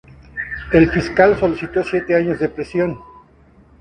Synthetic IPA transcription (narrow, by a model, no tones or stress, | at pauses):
e̞lfiskalso̞lisit̪o̞sje̞t̪eaɲo̞zðe̞pɾesjo̞n